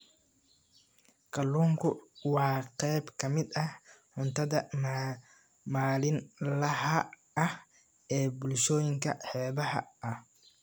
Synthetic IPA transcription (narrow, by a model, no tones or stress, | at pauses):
kʰɐlːuːŋkʰʊwɑːqɛjbkʰɐmɪd̪ɐhħʊnt̪ʰɐðɐ | maːlɪnlɐhɐ | ɐh | ɛːbʊlʃɔːjɪŋkʰɐħɛːβɐhɐ̰ʔɐh